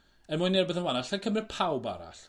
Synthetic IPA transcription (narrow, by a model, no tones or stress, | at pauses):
ənmʊjnːɪrbeðənwanaɬakʰəmrɨpʰawba̰ɾa̰ɬ